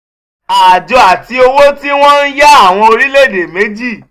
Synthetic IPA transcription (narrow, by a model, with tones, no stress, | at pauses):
a˨d͡ʒɔ˨a˨ti˧o˧wo˦ti˦w̃ɔ̃˦n̩˦ja˦a˦˨w̃ɔ̃˧o˧ɾi˦le˦˨de˨me˨˦d͡ʒi˦˨